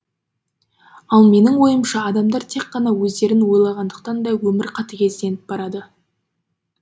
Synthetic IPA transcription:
ɑlˠme̞nɪŋwo̞jəmʃɑːd̪ɑmd̪ɑɾt̪ʰe̞qːɑnɑwɵzd̪e̞ɾɪnwo̞jlˠɑʁɑnd̪əq̚t̪ɑnd̪ɑwɵmɪɾqʰɑt̪əkʲʰe̞zd̪e̞nɪp̚bɑɾɑd̪ə

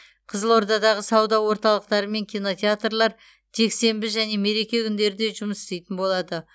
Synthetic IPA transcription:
qʰəzəlˠwo̞ɾd̪ɑd̪ɑʁəsɑwd̪ɑwo̞ɾt̪ɑlˠəq̚t̪ɑɾəme̞ŋkʲijno̞t̪ʲeat̪rlˠɑɾ | ʒ̥e̞kse̞mbɪʒæne̞me̞ɾe̞kʲe̞kʲʰʏnd̪e̞ɾɪd̪e̞ʒʊməsɪ̥st̪e̞jt̪ɪnbo̞lˠɑd̪ə

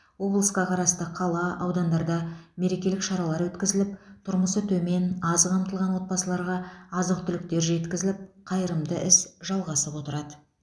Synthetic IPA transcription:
wo̞blˠəsqɑqʰɑɾɑst̪əqʰɑlˠɑɑwd̪ɑnd̪ɑɾd̪ɑme̞ɾe̞kʲelɪkʃɑɾɑlˠɑɾwɵt̪kʲɪzɪlɪp̚t̪ʰʊɾməsət̪ʰɵme̞nɑzqʰɑmt̪əlˠʁɑnwo̞t̪̚pɑsəlˠɑɾʁɑːzəq̚t̪ʰʏlɪk̚t̪e̞ɾʒe̞t̪kʲɪzɪlɪp̚qʰɑjəɾəmd̪əʔɪsʒ̥ɑlˠʁɑsəpwot̪əɾɑd̪ə

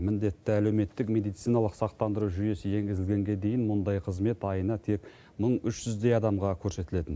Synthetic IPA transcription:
mɪnd̪e̞t̪ːɪæle̞wme̞t̪ːɪkme̞d̪ijt̪sijnɑlˠəqsɑq̚t̪ɑnd̪əɾuʒʏje̞sɪje̞ŋɡʲɪzɪlɡʲe̞ŋɡʲe̞d̪e̞jɪnmʊnd̪ɑjqʰəzme̞t̪ɑjənɑt̪ʰe̞k | məɴʏʃʒ̥ʏzd̪e̞jɑd̪ɑmʁɑkʲʰɵɾse̞t̪ɪle̞t̪ɪn

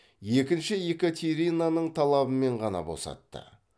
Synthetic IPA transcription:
je̞kʲɪnʃɪjekʲot̪ʰʲeɾʲinanəɴt̪ʰɑlˠɑbəme̞ɴʁɑnɑ̰bo̞̰sɑ̰t̪ːə̰

